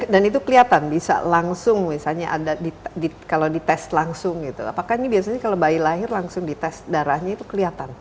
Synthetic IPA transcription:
danit̪ukəliat̪anbisa̰laŋsʊŋmisalɲaʔadadidikalawdit̪ɛst̪laŋsʊŋɡit̪ṵa̰pakahinibiasaɲakalabailaɦɪrlaŋsʊŋdit̪ɛs̚daɾahɲait̪ukəliat̪an

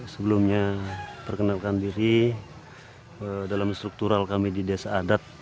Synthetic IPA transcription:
səbəlumɲapərkənalkandiɾi | ədalamst̪ɾuk̚t̪uɾalkamididiasaːdat̪̚

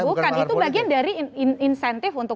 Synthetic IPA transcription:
ukanit̪ubaɡiandaɾininsɛnt̪ɪfunt̪ʊ

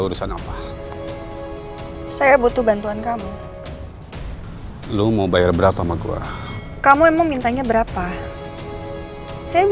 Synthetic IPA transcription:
uɾusanapa | sajabut̪ubant̪uankamu | lumaubajarbəɾapamaɡṵa̰ | kamuemaŋmint̪aɲabəɾapa | saja

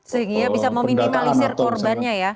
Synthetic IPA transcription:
səɦiŋiabisamawmimimalisɪrkɔrbanɲaja

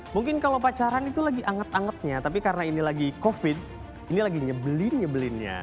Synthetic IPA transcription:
muŋkɪnkalopat͡ʃaɾanit̪ulaɡiʔaŋət̪aŋət̪̚ɲat̪apikaɾənainilaɡikofɪd̚ | inilaɡiɲabəlɪnɲabəlɪnɲa̰

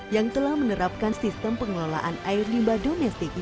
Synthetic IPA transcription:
jaŋt̪əlahmənəɾap̚kansist̪əmpəŋəlola̰ʔanaɪrlimbadomɛst̪ɪk̚

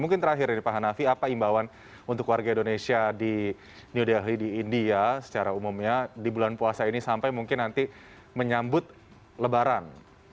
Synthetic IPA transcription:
muŋkɪnt̪əɾaɦɪɾinipaɦanafiapaimbawan | unt̪ʊkwarɡaindonesiadi | niudaɦlidiːndiasə̥t͡ʃaɾaumumɲadibulanpuasainisampajmuŋkɪnːant̪i | məɲambʊt̪̚ | ləbaɾan

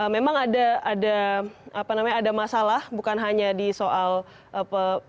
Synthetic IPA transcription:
ʔəmemaŋadaadaapanamaɲaːdamasalahbukanɦaɲadisoʔal | ʔəpə

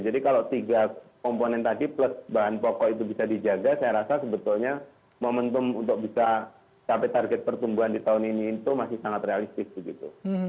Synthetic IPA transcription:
d͡ʒadikalot̪iɡakɔmponɛnt̪adipləsbaɦanpokɔʔit̪̬ubisadid͡ʒaɡasajaɾasasəbət̪ʊlɲa | momənt̪ʊmunt̪ʊk̚bisa | t͡ʃapɛt̪arɡɛt̪̚pərt̪umbuandit̪aʊniniːt̪umasɪhsaŋat̪realist̪ɪsbəɡit̪ṵ

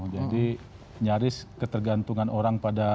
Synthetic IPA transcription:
d͡ʒadi | ɲaɾɪskət̪ərɡant̪uŋanoɾaŋpada

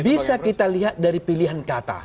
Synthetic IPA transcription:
bisakit̪aliɦat̪̚daɾipiliɦankat̪a̰

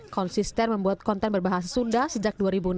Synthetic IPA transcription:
kɔnsist̪ɛrməmbuat̪̚kɔnt̪ɛnbərbaɦasasundahsəd͡ʒak̚duaɾibun

